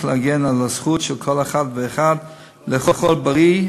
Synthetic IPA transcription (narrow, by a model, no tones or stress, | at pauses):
χleaɡɛnalasχutʃɛlkʰolaχadveːχad | leχoχɔlbaʁi